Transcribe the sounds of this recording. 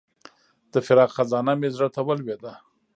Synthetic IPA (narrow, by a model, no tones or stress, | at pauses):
d̪̥əfɪɾɑqxazɑnamezɾat̪awalwed̪a